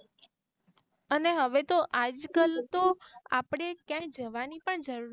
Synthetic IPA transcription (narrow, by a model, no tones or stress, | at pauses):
əneɦəʋet̪oʔad͡ʒkəlt̪oa̰pɽ̃ekjãd͡ʒəʋanipəɳd͡ʒəɾuɾ